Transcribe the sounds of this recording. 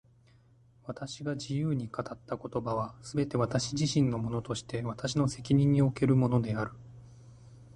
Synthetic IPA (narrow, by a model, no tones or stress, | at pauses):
βat̪aɕiɡad͡ʑijɯːɲ̟ikat̪at̪ːako̞t̪o̞baβ̞asɨbe̞t̪e̞β̞at̪aɕiʑiɕĩnːo̞mo̞no̞t̪o̞ɕi̥t̪e̞β̞at̪aɕino̞se̞kʲiɲ̟ĩɲ̟ːio̞ke̞ɾɯ̟mo̞no̞d̪e̞aɾɯ̟